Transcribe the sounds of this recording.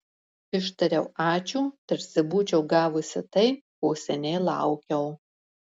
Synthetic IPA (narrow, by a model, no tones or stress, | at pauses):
ɪʃt̪ɐɾʲɛʊɑːt͡ʃʲuːt̪ɐɾʲsʲɪbuːt͡ʃʲɛʊɡɑːʋʊsʲɪt̪ɐɪkoːsʲɛnʲɛːlˠɑ̰ʊkʲɛʊ